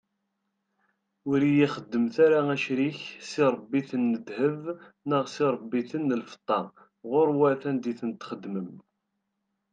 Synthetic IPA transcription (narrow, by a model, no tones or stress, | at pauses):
ʊɾijiχəd̪ːəmθaɾaæʃɾiçsiɾˤəbːiθənːəd̪həvnəʁsiɾˤəbːiθənːəlfə̥t̪ˤːɑ | ʁʊɾwæθænd̪iθənt̪χəd̪ːməm